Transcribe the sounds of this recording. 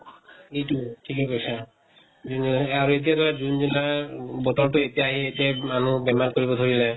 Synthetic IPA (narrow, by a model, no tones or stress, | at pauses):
ejtutʰikɛkojsã | d͡ʒunaɹuet̬ijadɔɹazunzunaɹbɔtɔɹtʊetijaːɦietiamanubɛmankoɹibɔd̪ʱoɹilɛ